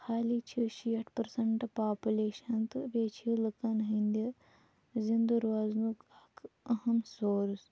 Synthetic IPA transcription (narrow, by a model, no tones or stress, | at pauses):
xʰaːliːt͡ʃʰiwʃiːɐʈʰpɐɾsɐɳʈpaːpuleːʃɐnt̪ɨʋeːt͡ʃʰilɨkɐnɦind̪i | zind̪uɾʋaːznukakʰɐɦɐmsoːɾs